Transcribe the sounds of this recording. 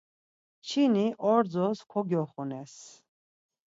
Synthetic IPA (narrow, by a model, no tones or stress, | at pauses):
t͡ʃʰiniʔɔɾd͡zɔskʰɔɡjɔχunɛs